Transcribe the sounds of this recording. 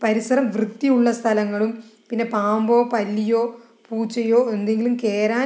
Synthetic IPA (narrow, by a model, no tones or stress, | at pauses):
pɐɾisɐɾɐmʋrɨt̪ːijuɭːɐst̪ʰɐlɐŋːɐɭumpinːe̞paːmbo̞ːpɐlːijo̞ː | puːt͡ɕːɐjo̞ːe̞nd̪e̞ŋɡilumke̞ːɾaː